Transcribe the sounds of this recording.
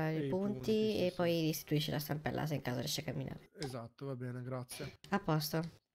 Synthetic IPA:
ipunt̪iepːɔjdist̪i̥t̪uiʃːelʔast̪ampɛ̰lːʔa̰s̬eiŋkaːzaɾjɛ̰ʃekːamːinʔa̰ːɾeezat̪ːovabɛːneɡɾat̪sːjeapːɔst̪o

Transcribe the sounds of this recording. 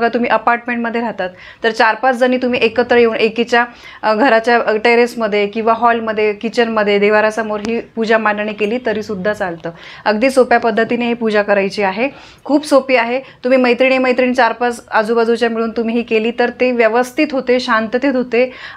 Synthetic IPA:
əɡat̪um̤iːʔəpaɾʈmeɳʈməd̪ʱːjeɾaɦt̪at̪ːəɾt͡ɕaɾpat͡sd͡zəniːt̪um̤iːʔekət̪ɾəjeuːnʔekit͡ɕja | ɡʱəɾat͡ɕjaʈeɾesməd̪ʱːjekĩw̃ʋaɦɔlməd̪ʱːjekit͡ɕənməd̪ʱːjed̪eʋaɾasəmoɾɦiːpud͡ʑamanɳ̃iːkeliːt̪əɾiːsud̪ʱːat͡salt̪əː | əɡd̪iːsopjapəd̪ʱːət̪ineɦepud͡ʑakəɾajt͡ɕiːaɦe | kʰuːbsopiːaɦet̪um̤iːməjt̪ɾiɽ̃iːməjt̪ɾiɳiːt͡ɕaɾpat͡sad͡zuːbad͡zut͡ɕjamiɭuːnt̪um̤iːɦiːkeliːt̪əɾt̪eʋjəʋəst̪ʰit̪ɦot̪eɕant̪t̪et̪ɦot̪e

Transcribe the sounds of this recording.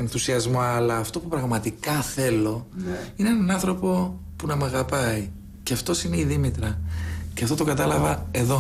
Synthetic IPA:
e̞nθusiɐzmo̞ɐlɐːft̪o̞pupɾɐɣmɐt̪ikɐθe̞lo̞ineenɐnɐnθɾo̞po̞ | punɐmɐɣɐpɐi | ceɐft̪o̞sine̞iðimit̪ɾɐceɐft̪o̞t̪o̞kɐt̪ɐlɐvɐe̞ðo̞

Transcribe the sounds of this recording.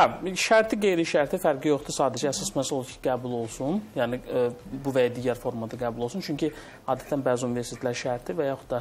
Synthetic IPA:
æʃæɾt̪ʰiɡe̞jɾiʃæɾt̪ʰifæɾɡijo̞χd̪usɑːd̪æd͡ʒɛææsɑsmæslolˠd̪ucʰiɡæːbulˠo̞lˠsunjæːnɪbuvæjad̪iːɟæɾfo̞ɾmɑd̪ɑɡæːbulˠo̞lˠsunt͡ʃʰyɲcʰi | ɑːd̪æt̪ʰænbæziunive̞ɾsi̥t̪ʰelæɾʃæɾt̪ʰivæjɑxud̪̥̚d̪ɑ

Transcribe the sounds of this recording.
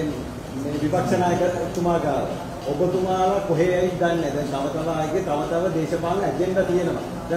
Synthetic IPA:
meːʋipakʂɐnaːjəkəɾut̪umaːɡaːʋə̰ | obot̪umaːʋəkoɦeajind̪anːɛd̪ɛnt̪aʋət̪aʋəaːjɡet̪aʋət̪aʋəd̪eːʃəpaːnɛd͡ʒenʋat̪ijenəʋa̰ | d̪ɛ

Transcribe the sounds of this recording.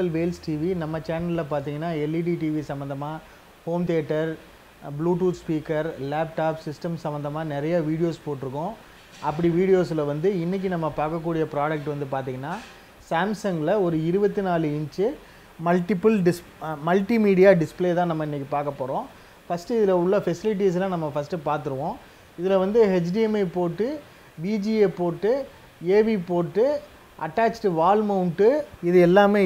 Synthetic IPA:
ɐlʋeːlsʈiːʋinɐmːɐt͡ʃaːnɐlɐp̬aːɾt̪iːŋɡɐnːaːɛliʈiʈiːʋisɐmbɐnd̪ɐmaː | hoːmt̪eːʈːɐɾ | bluːʈ̬uːʈspiːkɐɾlaːp̚ʈaːpsɪsʈɐmsɐmbɐnd̪ɐmaːnɪɾɐjaʋiːɽɪjoːspoːʈːɪɾɯkːʊ̃ | ɐpːɐɽiʋiːɽɪjoːs̬lɐʋɐnd̪ɯɪnːɪk̬ːinɐmːɐpaːɾkɐk̬ːuːɽɪjɐpɪɾaːɽɐk̚ʈʋɐnd̪ɯpaːɾt̪̬iːŋɡɐnːaː | saːmsɐŋɡɪlɐɔɾɯɪɾɯbɐt̪ːɯnaːlɯɪnt͡ʃɯ | mɐlʈːɪpɐlɖɪs | mɐlʈimiːɽɪjaːɖɪspleːt̪ãːnɐmːɐɪnːɪkːipaːɾkɐpːoːɾõː | fɐsʈɯɪðɪlɐʊɭːɐfɛsɪlɪʈ̬ːiːs̬lãːnɐmːɐfɐsʈɯpaːɾt̪ɯɾɯʋõː | ɪðɪlɐʋɐnd̪ɯɦɛd͡ʒɖiɛmɐɪpoːʈːɯ | ʋiːd͡ʒieːpoːʈːɯ | eːʋipoːʈːɯ | ʔɐʈːaːt͡ʃʈɯʋaːlmɐʊɳʈɯɪðɯɛlːaːmeː

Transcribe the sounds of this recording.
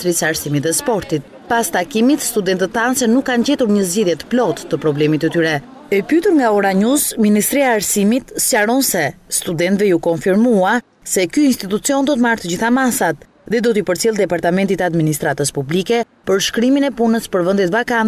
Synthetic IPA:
t̪ɾisaɾsimit̪ðɛspɔɾt̪it̪̚ | past̪akimit̪st̪ud̪ɛnt̪ət̪θansɛnukːand͡ʑɛt̪uɾɲəzɟiðjɛt̪ə̥plɔt̪ːəpɾɔblɛmit̪ət̪yɾɛ | ɛpyt̪uɾŋɡaɔɾaɲusminist̪ɾiaːɾsimit̪saɾɔnsɛst̪ud̪ɛnt̪vɛukɔnfiɾmua | sɛkyinst̪it̪ut͡siɔnd̪ɔt̪̬əmaɾt̪əd͡ʑiθamasat̪ | ðɛd̪ɔt̪əipəɾt͡silˠd̪ɛpaɾt̪amɛnt̪it̪əad̪minist̪ɾat̪əspublikɛ | pəɾʃkɾiminɛpunəspəɾvənd̪ɛt̪vakan

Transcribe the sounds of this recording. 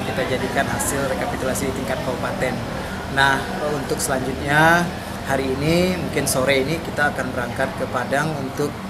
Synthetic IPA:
kit̪ad͡ʒadikanɦasɪlrekapit̪ulasidit̪iŋkat̪̚kabupat̪ɛnː | ah | unt̪ʊksəlaɲd͡ʒʊt̪̚ɲa | haɾiːnimuŋkɪnsoɾɛinikit̪aːkanbəɾaŋkat̪̚kəpadaŋunt̪ʊk̚

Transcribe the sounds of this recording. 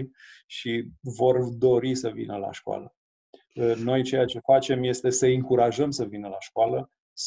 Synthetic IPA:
ʃivo̞rd̪o̞ɾisəvḭnəla̰ʃkoa̰lə | no̞jt͡ʃe̞jat͡ʃe̞fat͡ʃe̞mje̞st̪e̞səɨŋkuɾaʒəmsəvinəlaʃkoalə | s

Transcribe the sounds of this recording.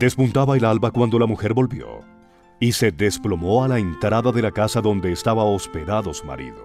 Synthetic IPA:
d̪̥e̞spunt̪aβaelalbakwand̪o̞lamuxe̞ɾbo̞lbjo̞̰ | ise̞ðe̞splo̞mo̞alaent̪ɾaðaðe̞lakasaðo̞nd̪eːst̪aβaospe̞ðaðo̞suma̰ɾḭðo

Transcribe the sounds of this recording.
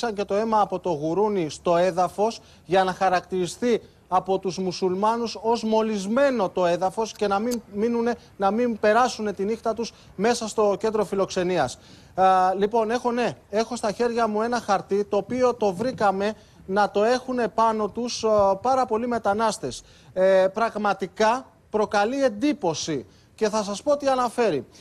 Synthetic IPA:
sɐɲce̞t̪o̞e̞mɐːpo̞t̪o̞ɣuɾunist̪o̞e̞ðɐfo̞s | ʝɐnɐxɐɾɐkt̪iɾist̪i | ɐpo̞t̪uzmusulmɐnuso̞zmo̞lizme̞no̞t̪o̞e̞ðɐfo̞sce̞nɐmimminune̞ | nɐmimpe̞ɾɐsune̞t̪inixt̪ɐt̪us | me̞sɐst̪o̞ce̞nd̪ɾo̞filo̞kse̞niɐs | lipo̞ne̞xo̞ne̞e̞xo̞st̪ɐçe̞ɾʝɐmue̞nɐxɐɾt̪it̪o̞ːpio̞t̪o̞vɾikɐme̞ | nɐt̪o̞e̞xune̞pɐno̞t̪uspɐɾɐpo̞lime̞t̪ɐnɐst̪e̞s | pɾɐɣmɐt̪ikɐ | pɾo̞kɐlie̞nd̪ipo̞si | ce̞θɐsɐspo̞t̪iɐnɐfe̞ɾi

